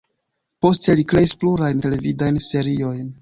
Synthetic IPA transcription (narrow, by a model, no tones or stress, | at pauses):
po̞ste̞likɾe̞ispluɾajnte̞le̞vidajnse̞ɾio̞jn